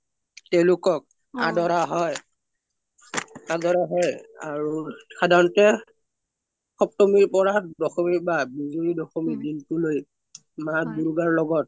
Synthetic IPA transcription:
tɛʊ̃lʊkɔk̚ | a̰dɔɹaɦɔj | adɔɹaɦɔjaɹuxadʱanɔtɛ | xɔp̚tɔmiɹpɔɹadɔxɔmibabizoɹidɔxɔmidintuloj | mabuɹuɡaɹlɔɡɔt̚

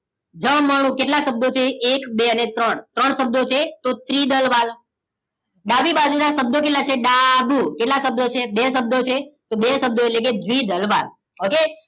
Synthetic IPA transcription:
d͡ʒəmməɽ̃ũkeʈlaʃəb̚d̪ot͡ʃʰeːkbeənet̪ɾəɳt̪ɾəɳsəb̚d̪ot͡ʃʰet̪ot̪ɾid̪əlʋal | ɖabibad͡ʒunaʃəb̚d̪okeʈlat͡ʃʰeɖabukeʈlaʃəb̚d̪ot͡ʃʰebesəb̚d̪ʱot͡ʃʰet̪obesəb̚d̪oeʈlek̬ed͡ʒʋid̪ʱəlʋal | oke

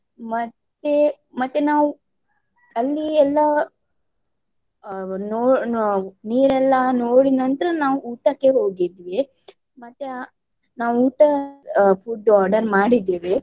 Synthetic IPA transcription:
mɐt̪ːe | mɐt̪ːenaːʋu | ɐlːiɛlːɐ | noː | niːɾɛlːɐnoːɽinɐnt̪ɐɾɐnaːʋuuːʈɐkːeɦoːɡid̪ʋe | mɐt̪ːe | naːʋuuːʈɐpʰuɖaːɾɖɐɾmaːɽid̪ːeːʋe

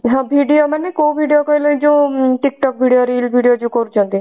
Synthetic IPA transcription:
ɦãbʱiːɖijomɛnẽkoːbʱiːɖijokəilə̃d͡ʒoʈɪk̚ʈɔk̚bʱiːɖijoɾiːlbʱiːɖijod͡ʒokoɾd͡ʒãːnd̪iː

